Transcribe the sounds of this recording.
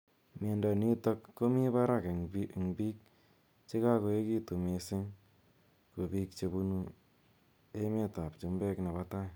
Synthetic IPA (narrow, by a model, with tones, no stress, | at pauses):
me˧nda˨ni˦tɔ˧kːo˦mi˦pa˦ɾa˦ke˨ŋbi˦˨ŋbi˦k̚ | t͡ʃe˦ka˦ko˨˧e˦ki˦tu˨me˨sɪ˦ŋ | ko˨bi˧kt͡ʃe˧bu˧nu˧ | e˦me˦ta˨pt͡ʃu˧mbɛ˦kna˨βa˦ta˦j